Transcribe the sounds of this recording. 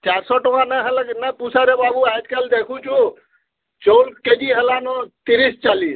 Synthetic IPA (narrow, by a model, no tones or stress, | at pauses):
t͡ʃaɾsɔʈɔãnəɦələknəpusʰaɾebabuajd͡ʒ̪kəld̪ekʰut͡ʃʰũ | t͡ʃolked͡ʒiɦəlanɔt̪iɾist͡ʃalis